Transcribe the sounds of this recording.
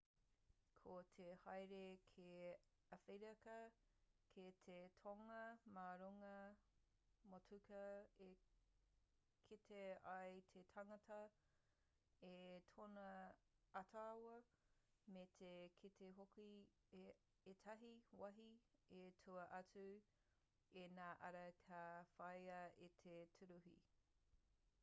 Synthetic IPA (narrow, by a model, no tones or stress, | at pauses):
kʰot̪ʰehɐjɾekʰe | ɐfeɾɐkɐkʰet̪ʰetʰoŋɐmaːɾuŋɐ | motʰʉkɐe | kʰitʰeɐjt̪ʰetʰɐŋɐtʰɐ | etʰonɐ | ɐtʰawɐ | met̪ʰekʰitʰeɦoki | etʰɐɦiwɐɦietʰuɐʔɐt͡su | enaːʔɐ̰ɾɐkʰafɐjɐit̪ʰetʰuɾuɦḭ